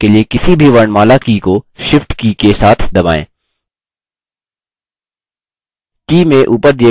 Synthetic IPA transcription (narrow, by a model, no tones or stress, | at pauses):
keliekɪsibʱiʋɐɳmaːlakiːkoʃɪfʈkiːkesaːt̪ʰd̪ɐba̰ːḛ̃ː | kiːmẽʔuːpəɾd̪e